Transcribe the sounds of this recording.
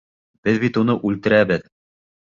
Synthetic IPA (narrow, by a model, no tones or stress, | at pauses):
b̥ɘðbit̪unɤʔʉlt̪ɘ̆ɾæbɘð